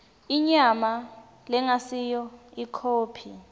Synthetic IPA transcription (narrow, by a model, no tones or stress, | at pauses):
iɲama | lɛŋasijɔikʰoːpʰi